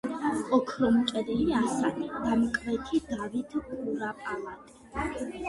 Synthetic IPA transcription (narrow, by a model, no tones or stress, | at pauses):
ɔkʰɾɔmt͡ʃʼɛliliasanid̪̥amkʼvɛt̪ʰid̪avit̪ʰkʼuɾapʼalat̪ʼi